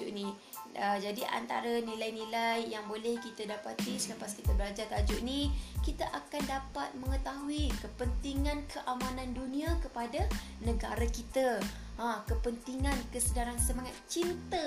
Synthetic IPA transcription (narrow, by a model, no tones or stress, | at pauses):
uʔni | əd͡ʒadiʔa̰nt̪a̰ɾanĩlajnĩlajːaŋbolɛhkit̪adapat̪isələpaskit̪əbəlad͡ʒat̪ad͡ʒuʔnikit̪aʔakandapat̪̚mə̃ŋət̪aɦuikəpənt̪iŋãnkʰəʔamãnãndunĩakəpada | nə̃ɡaɾakit̪a | akəpənt̪iŋãnkəsədaɾansəmaŋat̪̚t͡ʃint̪ə